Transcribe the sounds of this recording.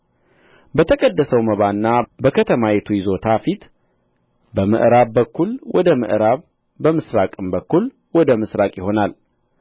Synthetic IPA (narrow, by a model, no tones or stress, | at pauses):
bət̪ʰəkʼəd̪ːəsəwməβanːabəkʰət̪ʰəmajet̪ʰujɪzo̞t̪ʰafit̪ | bəmə̰ʔɾaβːəkːulwʔɔd̪əmɨ̰ʔɾaβ | bəmɨsɾakʼɨmbəkːul | wɔd̪əmɨsɾakʼjɪho̞nal